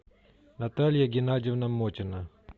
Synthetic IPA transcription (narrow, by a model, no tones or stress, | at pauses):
nɐt̪alʲjaɡʲɪnadʲɪvnɐmotʲɪna